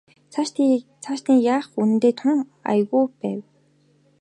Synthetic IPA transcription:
t͡sʰaʃt̪t͡sʰaʃt̪iːjaːχun̆nt̪eːt̪ʰʊŋa̰jɣuːpæːw

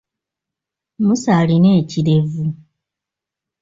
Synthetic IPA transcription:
musalineːciɾevu

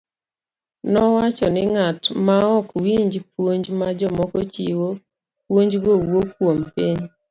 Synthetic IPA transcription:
nɔwat͡ʃɔnɪŋatmaɔkwiɲd͡ʒpwoɲd͡ʒmad͡ʒɔmɔkɔt͡ʃiwo | pwoɲd͡ʒɡowwopwompiɲ

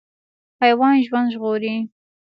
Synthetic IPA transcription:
pajwɑnʒwand̪ʒɣoɾi

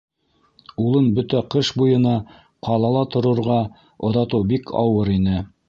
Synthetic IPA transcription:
ulˠɤnbɵt̪æqɤʃbujɤ̆nɑ | qʰɑlˠɑlˠɑt̪ŏɾŏɾʁɑ | ŏðɑt̪ɤwbikʰɑ̰wɤɾinɘ

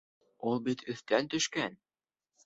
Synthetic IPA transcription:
ulˠbit̪ʰɵ̆θt̪ænt̪ɵ̆ʃkæn

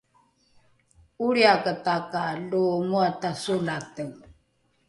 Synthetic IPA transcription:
uɾiakətakalumuatasulatəŋ

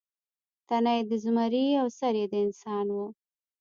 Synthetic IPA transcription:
t̪anajd̪əzumaɾiawsaɾjed̪əɪnsɑnwu

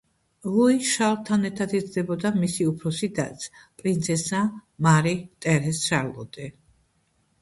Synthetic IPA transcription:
lˠɔiʃalˠt̪ʰanɛɾt̪ʰat̪izd̪ɛbɔd̪amisiupʰɾɔsid̪a̰t̪sʰpʼɾint̪sʰɛsamaɾit̪ʼɛɾɛsʃaɾlˠɔ̰d̪ɛ

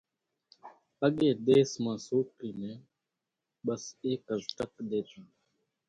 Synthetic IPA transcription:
əɠeːɗ̪eːsmãːsoːkiːnẽː | ɓəseːkəzʈəkɗ̪eːt̪ãː

